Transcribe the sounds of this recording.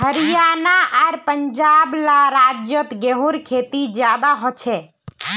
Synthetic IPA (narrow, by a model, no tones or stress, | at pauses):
həɾijanaaːɾpənd͡ʒablaɾad͡ʒjət̪ɡeɦuɾkʰet̪id͡ʒjad̪aɦɔt͡ʃʰɛ